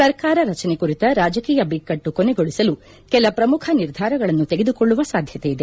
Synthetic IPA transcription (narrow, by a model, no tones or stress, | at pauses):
sɐɾkaːɾɐɾɐt͡ʃɐnekuɾit̪ɐɾaːd͡ʒɐkiːjɐbikːɐʈːukɔnɛɡoɭisɐlu | kɛlɐpɾɐmukʰɐniɾd̪ʱaːɾɐɡɐɭɐnːut̪e̞ɡe̞d̪ukoɭːuʋɐsaːd̪ʱjɐt̪ejid̪e